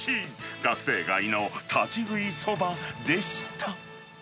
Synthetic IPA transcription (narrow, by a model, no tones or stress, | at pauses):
ɕiɡakseɡa̰inot̪ʰad͡ʑiɡɯisobad̪eɕit̪ʰa